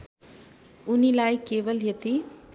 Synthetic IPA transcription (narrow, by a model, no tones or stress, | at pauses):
ʊnilaːikeːʋəljɐt̪i